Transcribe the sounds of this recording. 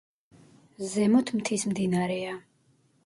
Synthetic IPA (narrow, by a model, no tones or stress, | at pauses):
zɛmɔt̪ʰmt̪ʰismd̪inaɾɛa